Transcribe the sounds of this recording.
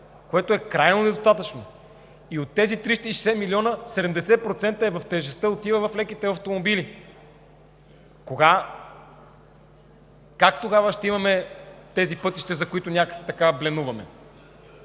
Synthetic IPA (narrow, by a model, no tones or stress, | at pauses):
koɛt̪oɛkɾajnonɛd̪ost̪at̪ət͡ʃno | iot̪ːɛzit̪ɾist̪əiʃɛsɛmiliɔnəsɛd̪ɛmd̪ɛsɛpɾot̪sɛnt̪əɛvɐft̪ɛʒɛst̪əot̪ivɐvɐflɛkit̪ɛɐft̪omobili | koɡa | kak̚t̪oɡavəʃt̪ɛimɐmɛt̪ɛzipɤt̪iʃt̪ɛzɐkoit̪ʊnʲakəksɛ̥t̪ɐkablɛnuvɐmɛ̰